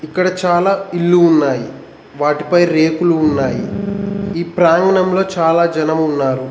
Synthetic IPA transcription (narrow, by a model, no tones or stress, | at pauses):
ikːɐɽɐt͡ʃaːlaːiɭːuːnːaːji | ʋaːʈipɐjɾe̞ːkuluːnːaːji | iːpɾaːŋɡɐɳɐmlo̞ːt͡ʃaːlaːd͡ʒɐnɐmunːaːɾu